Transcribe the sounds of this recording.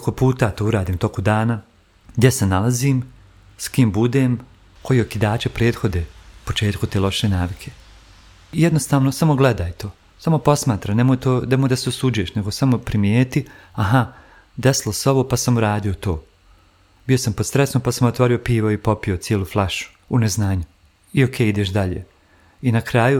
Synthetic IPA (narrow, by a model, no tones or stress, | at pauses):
kopuːt̪aːt̪oːuɾaːd̪iːmt̪o̞kud̪aːna | ɡd̪jesenalˠaziːm | skiːmbud̪eːm | kʰo̞jiokid̪aːt͡ɕepɾe̞ːd̪xo̞d̪epot͡ʃe̞ːt̪kut̪eːlo̞ʃenaːʋikʰe̞̥ | ijed̪no̞st̪aːʋnosamo̞ɡled̪aːjt̪oː | samo̞po̞smaːt̪ɾamnemoːjt̪oːd̪emojd̪aseosuːd͡ʒueʃneɡosamo̞pɾimjeːt̪iaɦa | d̪eslˠoseo̞ʋo̞ːpasamuɾaːd̪ijo̞t̪o̞̰ː | bijo̞sampod̪sɾesnopasamot̪ʋaːɾio̞piːʋoipo̞pijo̞t̪sjeːlˠuːflˠaʃu̥ | uneznaːɲu | iokʰeːid̪eʃd̪aʎḛː | inakɾaːju